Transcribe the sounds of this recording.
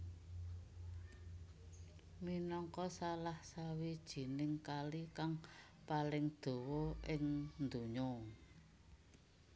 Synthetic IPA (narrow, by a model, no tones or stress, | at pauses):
minɔŋkɔsalahsawid̥ʒ̥i̤nɪŋkalikaŋ | palɪŋd̪̥o̤wɔʔɪŋnd̪uɲɔ